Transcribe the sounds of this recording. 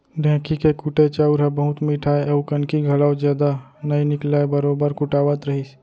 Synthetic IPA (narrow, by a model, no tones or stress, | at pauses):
ɖʱɛ̃ːkikekuʈet͡ʃaːuɾɦɛbəɦʊt̪miːʈʰaːeɐukənkiɡʱɐɽaːwd͡ʒjaːd̪anɐinɪklaːebɐɾoːbəɾkʊʈaːwət̪ɾɐɦis